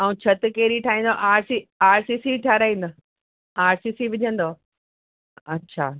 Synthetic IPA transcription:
aːũt͡ɕʰɐt̪keːɾiʈʰaːɦĩːn̆d̪oʔaːɾsiaːɾsiːsiʈʰaːɾaːĩːnd̪o | aːɾsiːsiʋɪd͡ʑʱə̃nd̪o | ɐtːɕʰa̰ː

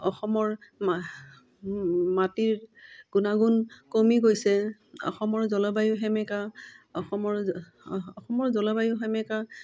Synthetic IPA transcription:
ɔxɔmɔɹ | matiɹɡ̥unaɡunkomiɡojsɛ | ɔ̰xɔmɔɹzɔlɔbajʊɦɛmɛkaɔxɔmɔɹ | ɔxɔmɔɹzɔlɔbajʊɦɛmɛka

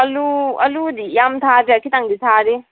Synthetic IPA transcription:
ɐluɐlud̪ijamtʰadɾeakʰitaŋd̪it̪ʰaɾi

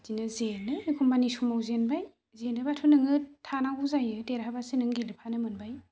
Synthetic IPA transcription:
tinɯzenɯikʰumbanisumawzenbaj | zenɯbatʰunɯŋɯtʰanaɡuzajɯdeɾɦabasɯnɯŋɡelɯpʰanɯmɯnbaj

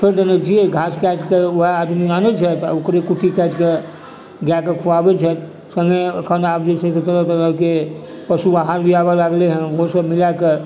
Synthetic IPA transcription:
pʰeɾɖenɛt͡ʃʰijeɡʱaskɛʈkeoɦaad̪mianɛt͡ʃʰɛt̪a̰okɾekuʈʰːikɛʈke | ɡakekʰuʋabɛt͡ʃʰɛt̪ | sə̃ŋɡeə̰kʰənapd͡ʒesəsət̪ələt̪əɾəke | pəsubaɦaɾbijabalaɡleɦə̃ʋoɦsəbmilake

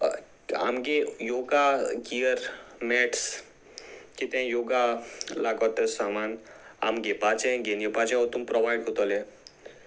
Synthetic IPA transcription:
a̰mɡejoɡaɡiəɾmɛʈs | kit̪ɛ̃joɡalaɡɔt̪əsamana̰mɡepat͡ʃẽɡenjəpat͡ʃɛ̃ot̪umpɾɔʋajɖkot̪ɔlẽ

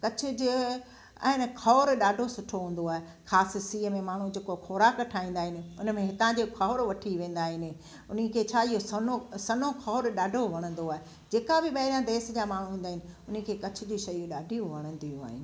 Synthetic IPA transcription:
kɐt͡ɕʰʊd͡ʑe | a̰ɪnkʰɔːɾɗaːɖʱosʊʈʰoɦũːn̆d̪oaːɦe | xaːssiːəmẽmaːɳ̤ũd͡ʑeːkoxʰɔːɾaːkʈʰaːĩːn̆d̪aːɦɪnɪ̆ʊnəmẽɦɪt̪ãd͡ʑokʰɔːɾʋɐʈʰiʋẽːn̆d̪aːɦɪnɪ̆ | ʊnĭkʰeːt͡ɕʰaːɪɦosɐnosɐnokʰɔːɾɗaːɖʱoʋɐɽ̃ə̃n̆d̪oaːɦe | d͡ʑeːkabɪɓɐɦɪɾijãd̪eːsd͡ʑaːmaːɳ̤ũɦĩːn̆d̪aːɦɪnɪʊnə̆kʰeːkɐt͡ɕʰʊ̆d͡ʑiʃɐjũɗaːɖʱijũʋɐɽ̃ə̃nd̪ijũa̰ːɦɪnɪ̆

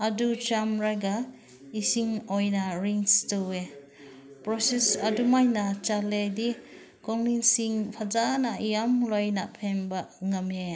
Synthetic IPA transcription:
adut͡ʃamɾaɡa | isiŋɔjnaɾiŋstuwe | pɾɔsesadumajnat͡ʃaledi | kɔŋliŋsiŋpʰazanaʔijamlɔjnaʔpʰenbaʔŋame

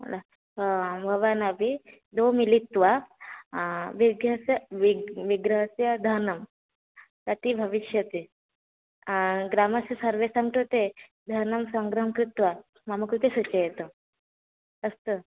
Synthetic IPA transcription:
mə̰la | bʱəʋanabʱi | d̪omilit̪ʋa | ʋiɡəsjəʋiʋiɡɾəɦsjɐd̪ʱənəm | kɐt̪ibʱəʋiʃjɐt̪e | ɡɾaməsjɐsəɾʋesamʈot̪e | d̪ʱənəmsəŋɡɾəmkɾit̪ʋa | maməkut̪esut͡ɕəjet̪o | əst̪ə

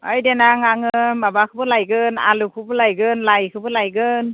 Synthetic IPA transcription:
ajdenaŋaŋɯmbabakʰɯbɯlajɡɯna̰lɯkʰɯbɯlajɡɯnlajkʰɯbɯlajɡɯn

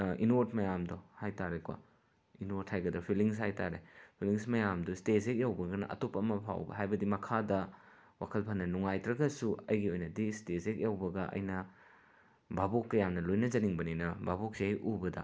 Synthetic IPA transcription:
inoɾt̚mɐjamdɔhajtaɾekwa̰ | inoɾthajɡɐdɐpʰiliŋs̬hajtaɾepʰiliŋsmɐjamdɔstesek̚jawbɐɡɐnɐ̰ʔɐ̰topɐmɐpʰa̰wbɐ̰ɦajbɐdimɐkʰadɐ | wa̰kʰɐlpʰɐnːɐnuŋajtɾɐɡɐsuɐjɡiojnɐdistesek̚jawbɐɡɐʔɐ̰jnɐ | bʱabokːɐjamnɐlojnɐzɐniŋbɐninɐbʱabok̚seɐjʔubɐdɐ̰

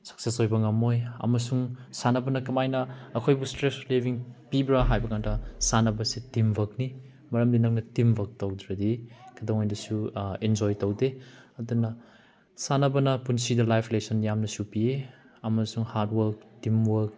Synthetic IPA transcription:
sɐ̥k̚sesojbɐŋɐmojɐ̰mɐsuŋsanɐbɐnɐkɐmajnɐɐkʰojbustɾeslebʱiŋpibɾɐɦajbɐkandɐsanɐbɐsitimbʱɐk̚ni | mɐɾɐmdinɐk̚nɐtimbʱɐk̚tɐwdɾɐdikʰɐdoŋojdɐsuend͡ʒojtɐwdeɐdunːɐ | sanɐbɐnɐpunsidɐlajpʰlesɐnjamnɐsupie | ɐmɐsuŋhaɾtwɐɾk̚timwɐɾk̚

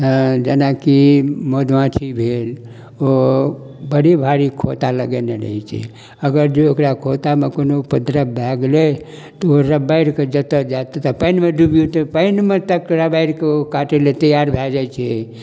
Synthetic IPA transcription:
əd͡ʒenakimod̪ʋãt͡ʃʰibʱel | o | bəɽibʱaɾikʰot̪aləɡeneɾə̰ɦɛt͡ʃʰɛ̰ | əɡəɾd͡ʒeokɾakʰot̪amekonopəd̪ɾəbʱɛɡle | t̪ɔoɾəbaɪɾked͡ʒət̪əd͡ʒat̪t̪əpəɪnmeɖubjut̪əpəɪnmet̪əkɾəbaiɾkeokaʈelet̪əjaɾbʱɛd͡ʒat͡ʃʰɛ

